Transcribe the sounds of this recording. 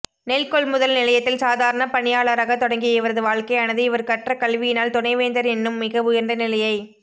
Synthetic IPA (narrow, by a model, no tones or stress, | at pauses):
nɛlkɔɭmʊðɐlnɪlɐjɐt̪ːɪlsaːðaːɾɐɳɐpɐɳɪjaːɭɐɾɐɣɐt̪ːɔɽɐŋɡijɐɪʋɐɾɐðɯʋaːɭkɐɪɐnɐðɯɪʋɐɾkɐʈrɐkɐɭʋɪjɪnaːlt̪ʊnɐɪʋeːnd̪ɐɾɛnːɯmːɪɣɐʋʊjɐɾnd̪ɐnɪlɐjɐɪ